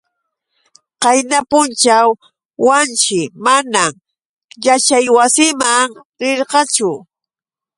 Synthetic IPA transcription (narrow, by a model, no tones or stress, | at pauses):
qɑjnapʊnt͡ʃawː | ant͡ʃɪmanam | jat͡ʃajwasɪmaŋ | ɾɪɾqɑt͡ʃʊ